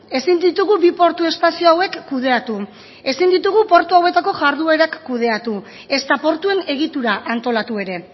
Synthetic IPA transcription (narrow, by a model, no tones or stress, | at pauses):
e̞sind̪it̪uɣ̞ubipo̞ɾt̪ue̞st̪asio̞awe̞kːuð̞e̞at̪u | e̞sind̪it̪uɣ̞upo̞ɾt̪uawe̞t̪ako̞ʝaɾðue̞ɾakːuð̞e̞at̪u | e̞st̪apo̞ɾt̪ue̞ne̞ɣ̞it̪uɾaʔant̪o̞lat̪ue̞ɾe̞